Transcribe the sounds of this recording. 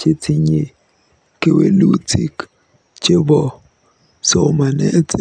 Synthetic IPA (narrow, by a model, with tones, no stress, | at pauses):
t͡ʃe˦ti˨ɲe˨ | ke˦we˦lu˦ti˦k | t͡ʃe˦bɔ˨ | so˨ma˨nɛ˦t